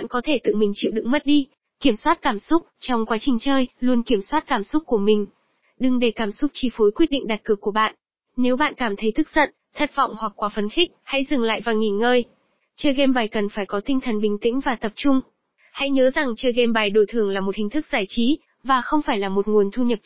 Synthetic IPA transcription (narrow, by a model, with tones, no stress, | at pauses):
ɓa̰˧˨nkɔ˨˦t̪ʰe˧˩t̪ɨ̰˧˨mï˨˩ŋ̟t͡ɕḭ˧˨wɗɨ̰˧˨ŋmə˦˥t̚ɗi˧ | ki˧˩əmswaː˦˥t̚kaː˧˩msʊ˦˥k͡p̚t͡ɕɔ˧wŋ͡mkwaː˨˦t͡ɕï˨˩ŋ̟t͡ɕəː˧jlu˧ənki˧˩əmswaː˦˥t̚kaː˧˩msʊ˦˥k͡p̚ku˧˩əmï˨˩ŋ̟ | ɗɨ˨˩ŋɗe˧˩kaː˧˩msʊ˦˥k͡p̚t͡ɕi˧˩fo˨˦jkwi˦˥t̚ɗḭ˧˨ŋ̟ɗa˨˩t̚kɨ˨˩əkːu˧˩əɓa̰ː˧˨nʔ | ne˨˦wɓa̰ː˧˨nkaː˧˩mt̪ʰə˨˦jt̪ʰɨ˦˥k̚z̥ə̰˧˨n | t̪ʰə˦˥t̚vɔ̰˧˨wŋ͡mhwa˨˩k̚kːwaː˨˦fə˨˧˩nxï˦˥k̟̚ha̰˧˥jzɨ˨˩ŋla̰ː˧˨jvaː˨˩ŋi˨˩nŋəː˧j | t͡ɕəː˧jɣɛ˧mɓaː˨˧˩jkə˨˩nfaː˧˩jkɔ˨˦t̪ï˧ŋ̟t̪ʰə˨˩nɓï˨˩ŋ̟t̪ḭ̈˧˥ŋ̟vaː˨˩t̪ə˨˩p̚t͡ɕʊ˧ŋ͡m | ha̰˧˥jɲəː˨˦za˨˩ŋt͡ɕəː˧jɣɛ˧mɓaː˨˩jɗo˧˩jt̪ʰɨ˨˩əŋlaː˨˩mo˨˩t̚hï˨˩ŋ̟t̪ʰɨ˦˥k̚z̥aː˧˩jt͡ɕi˨˦ | vaː˨˩xə˧wŋ͡mfaː˧˩jlaː˨˩mo˨˩t̚ŋu˨˩ənt̪ʰu˧ɲə˨˩p̚